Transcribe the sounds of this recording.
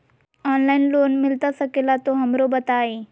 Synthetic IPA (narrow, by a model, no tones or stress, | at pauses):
ɔːnlaːɪnloːnmɪlt̪asɐkelat̪oɦɐmɾobɐt̪aːeː